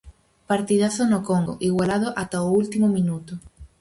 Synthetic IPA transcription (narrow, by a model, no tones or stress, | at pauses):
paɾt̪iðaθonokoŋɡo̰ʔiɣwalað̞oʔat̪aoult̪imomĩnut̪o